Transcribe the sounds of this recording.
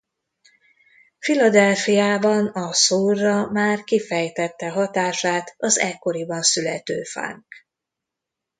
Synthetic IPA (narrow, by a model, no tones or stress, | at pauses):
filɒd̪ɛlfijaːbɒnɒsoːrːɒmaːrkifɛjt̪ɛt̪ːɛɦɒt̪aːʃaːt̪ɒzɛkːo̞ɾibɒnsylɛt̪øːfa̰ːŋk